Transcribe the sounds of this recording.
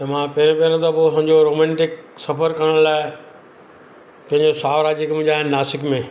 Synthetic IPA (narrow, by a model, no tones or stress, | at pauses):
t̪ɐmãpɐɦɪɾẽpɐɾ̃ə̃t̪ʰoposɐ̃ɪ̃ɲd͡ʑoɾoːmɛ̃ːɳʈɪk̚sɐfəɾkɐɾəɽ̃laːɪ | pɐ̃ɦɪ̃ɲd͡ʑosaːʋɾaːd͡ʑɪkm̃ʄaːɦɪnnaːsɪkmẽ